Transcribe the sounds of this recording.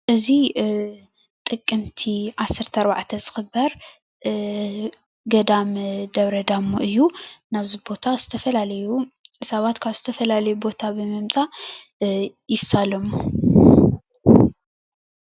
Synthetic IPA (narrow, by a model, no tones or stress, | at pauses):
ʔɨzi | t̪ʼɨkʼːɨmt̪ʰiʔasːɨɾt̪ʰɐɾba̰ʕt̪ʰɐzɨxɨbːɐɾ | ɡɐd̪amd̪ɐβɾɐd̪amːuʔɨjːunaβzibo̞t̪ʰaz̥ɨt̪ʰɐfɐlalɐjuɨsaβat̪kʰaβzɨt̪ʰɐfɐlalɐjubo̞t̪ʰabɨmɨmt͡sʼa | jɪsːalɐmːu